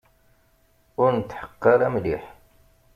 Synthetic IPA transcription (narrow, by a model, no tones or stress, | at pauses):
ʊɾnət̪ħə̥qːɑɾˤamliħ